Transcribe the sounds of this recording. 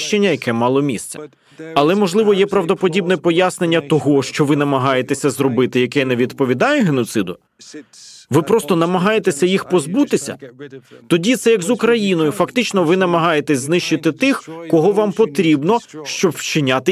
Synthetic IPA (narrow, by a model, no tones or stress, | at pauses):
ʃt͡ʃenʲːɐjɐkɛmɑlˠɔmʲist̪t͡s̪ʲɐ̥ | ɐlˠɛmɔʒlˠɪʋɔjɛpɾɐwd̪ɔpɔdʲibnɛpɔjasne̞nʲːɐt̪ɔɦɔʃt͡ʃɔʋɪnɐmɐɦɑjet̪ɛsʲɐzɾɔbɪt̪ɪjɐkɛnɛʋʲid̪pɔʋʲid̪ɑjɛɦenɔt̪sɪd̪ʊ | ʋɪpɾɔst̪ɔnɐmɐɦɑjet̪ɛsʲɐjixpɔzbut̪ɪsʲɐ̰t̪ɔdʲit̪sɛjɐkzʊkɾɐjinɔjʊfɐkt̪ɪt͡ʃnɔʋɪnɐmɐɦɑjet̪ɛsʲznɪʃt͡ʃɪt̪ɪt̪ɪxkɔɦɔʋɑmpɔt̪ɾʲibnɔʃt͡ʃɔbwt͡ʃɪnʲat̪ɪ